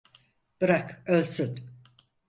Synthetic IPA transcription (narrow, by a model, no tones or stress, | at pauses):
b̥ɯɾakølʲsyt̪